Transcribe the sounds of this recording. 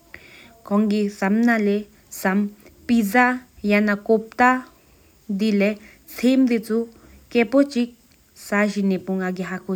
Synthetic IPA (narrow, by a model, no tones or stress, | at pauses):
koŋɡisamnale | sampizajanakop̚t̪a | d̪ile | t͡sʰimd̪it͡su | kepot͡ʃik̚ | saʃinepuŋaɡiɦaku